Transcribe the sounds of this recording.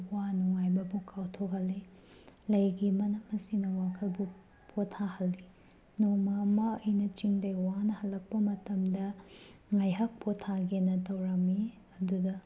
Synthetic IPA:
wanuŋajbɐbukʰawtʰok̚hɐlːe | lɐjɡimɐnɐmɐsinɐwakʰɐlbu | pʰotʰːahɐlːi | nomɐmɐɐjnɐt͡ʃiŋdɐjwanɐhɐlːɐk̚pɐmɐtɐmdɐŋajɦɐk̚pʰotʰːaɡenɐtʰɐwɾɐmːi | ɐdudɐ

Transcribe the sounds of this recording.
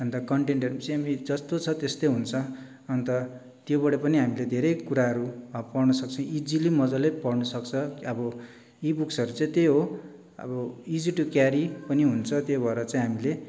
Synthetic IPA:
ʌnt̪ʌkʌɳʈeɳʈʌɾut͡saĩɦamid͡zʌst̪ot͡sʰʌt̪est̪ojɦunt͡sʰʌ | ʌnt̪ʌ | t̪jobʌɽʌpʌniɦamiled̪ʱeɾejkuɾaɦʌɾupʌrnʌsʌk̚t͡sʰʌ̃id͡zilimʌd͡zʌlepʌrnʌsʌkt͡sʰʌʌbʌ | ibuksʌɾut͡saĩt̪ejɦo | ʌ̰bʌid͡ziʈukjaɾipʌniɦunt͡sʰʌt̪jobʱʌeɾʌt͡sãĩɦamile

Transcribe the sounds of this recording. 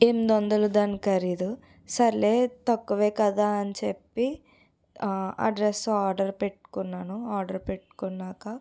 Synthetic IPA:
emd̪ond̪ɐlud̪ɐːnikɐɾiːd̪u | sɐɾleːt̪ɐkːuʋeːkɐd̪aːɐnt͡ʃepːi | ɐ̰ɖɾesaːɾɖɐɾpeʈːu̥kunːaːnuaːɾɖɐɾpeʈːu̥kunːaːkɐ

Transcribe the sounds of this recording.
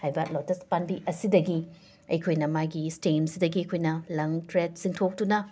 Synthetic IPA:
hajbɐlotɐspanbiʔɐsidɐɡi | ɐ̰jkʰojnɐmaɡistinsidɐɡiɐjkʰojnɐlɐŋtɾet̚siŋtʰok̚tunɐ

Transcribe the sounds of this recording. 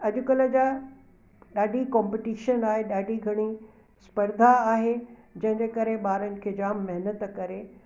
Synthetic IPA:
ɐʄʊkələd͡ʑaː | ɗaːɖʱikɔ̃ːmpɪʈiːʃənaːɦeɗaːɖʱiɡʱɐɽ̃i | spɐɾd̪ʱaaːɦed͡ʑɐ̃ɦɪ̃ɲd͡ʑekɐɾeɓaːɾənɪ̆kʰeːd͡ʑaːmːɐɦɪnət̪kɐɾe

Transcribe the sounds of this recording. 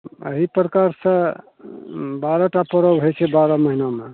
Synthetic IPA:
ə̰ɦipɾəkaɾsə̃ | baɾɔʈapəɾɔbɦojt͡ʃʰebaɾɔməɦiname

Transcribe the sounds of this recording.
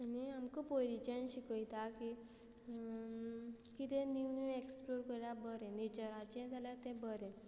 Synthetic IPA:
aniamkupolit͡ɕẽnɕikəjt̪aki | kit̪eniwnueksploɾkəɾlabəɾɛ̃net͡ɕəɾat͡ɕẽd͡zaljat̪ɛ̃bəɾɛ̃

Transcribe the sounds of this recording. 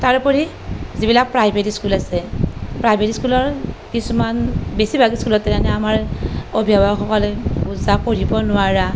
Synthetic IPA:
taɹpoɹi | zibilak̚pɹajbʱetiskulasɛpɹajbʱetiskulɔɹkisumanbesibʱaɡiskulɔtːɛjanɛamaɹobʱiabaxɔkɔlɛbuzakoɹibɔnʊwaɹa

